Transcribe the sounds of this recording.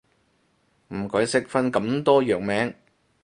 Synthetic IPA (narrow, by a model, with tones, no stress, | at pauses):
m̩˨˩kɔː˨˥jsɪ˥k̚fɐ˥nkɐ˨˥mt̪ɔː˥jœː˨k̚mɛː˨˥ŋ